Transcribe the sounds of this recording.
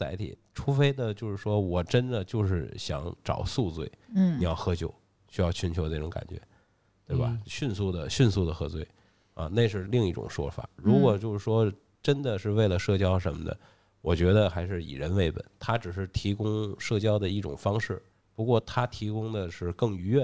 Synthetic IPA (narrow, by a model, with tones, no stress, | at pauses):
t͡sa˧˥ɪt̪ʰḭ˨˩˦ʈ͡ʂʰu˥fe˥ɪd̪ə˨t͡ɕjo˥˧ʊʂɻ̩˥˩ʂwɔ˥wɔ˨˩ʈ͡ʂə˥nd̪ə˨t͡ɕjo˥˧ʊʂɻ̩˥˩ɕjɑ̰˧˥ŋʈ͡ʂɑ̰˨˩ʊsu˥˧t͡swe˥˩ɪni˨˩jɑ˥˩ʊxɤ˧˥t͡ɕjo˨˧˩ʊ | ɕy˥jɑ˥˩ʊt͡ɕʰy˧˥nt͡ɕʰjo˧˥ʊne˥˩ʈ͡ʂʊ˧˥ŋka̰˨˩nt͡ɕɥɛ̰˧˥ | t̪we˥˩ba̰˨ɕy˥˧nsu˥˩d̪ə˩ɕy˥˧nsu˥˩d̪ə˩xɤ˧˥t͡swe˥˩ɪ | ɐ̰˧ne˥˧ɪʂ̬ɻ̩˥˧li˥˧ŋi˥˩ʈ͡ʂʊ̰˨˩ŋʂwɔ̰˥fa̰˨˩˦ɻu˧˥kwɔ˨˩t͡ɕjo˥˧ʊʂɻ̩˥˩ʂwɔ˥ | ʈ͡ʂə˥nd̪ə˨ʂɻ̩˥˧we˥˩ɪlə˩ʂɤ˥˩t͡ɕjɑ˥ʊʂə˧˥nmə̰˧d̪ə̰˩ | wɔ˨˩t͡ɕɥɛ˧˥d̪ə˧xa˧˥ɪʂɻ̩˥˩ḭ˨˩ɻə˧˥nwe˥˩ɪpə̰˨˩˦nt̪ʰa˥ʈ͡ʂɻ̩˨˩ʂɻ̩˥˩t̪ʰi˧˥kʊ˥ŋʂɤ˥˩t͡ɕjɑ˥ʊd̪ə˨i˥˩ʈ͡ʂʊ̰˨˩ŋfɑ˥ŋʂɻ̩˥˩ | pu˧˥kwɔ˥˩t̪ʰa˥t̪ʰi˧˥kʊ˥ŋd̪ə˨ʂɻ̩˥˩kɤ˥˩ŋy˧˥ɥɛ˥˩